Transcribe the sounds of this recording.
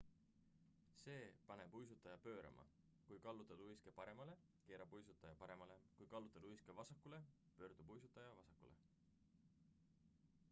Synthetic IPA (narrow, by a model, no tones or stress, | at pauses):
se̞ːpɑne̞pujs̬ut̪ːˑɑjɑpø̞ːɾɑ̰mʔɑ̰ | kujkɑlːut̪ːˑɑd̪ujske̞pɑɾe̞mɑle̞ | ke̞ːɾɑbujs̬ut̪ːˑɑjɑpɑɾe̞mɑle̞kujkɑlːut̪ːˑɑd̪ujskevɑsɑkːˑule̞ | pø̞ːrd̪̥ubujsut̪ːˑɑjɑvɑsɑkːulḛ